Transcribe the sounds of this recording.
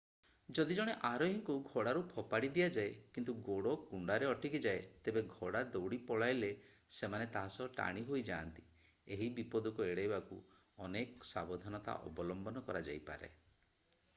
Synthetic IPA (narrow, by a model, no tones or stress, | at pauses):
d͡ʒɔd̪id͡ʒɔɽ̃eʔaɾɔɦiŋkuɡʱoɽaɾupʰɔpaɽid̪ijad͡ʒaekint̪uɡoɽokuɳɖaɾeɔʈikid͡ʒaet̪ebeɡʱoɽad̪owɽipɔɭajle | semanet̪aɦasɔʈa̰ɽ̃iɦojd͡ʒaːnt̪i̥ | eɦibipɔd̪ukɔeɽajbaku | ɔneksa̰bɔd̪ʱɔnɔt̪a̰ʔɔ̰bɔlɔmbɔnɔkɔɾad͡ʒa̰jpa̰ɾḛ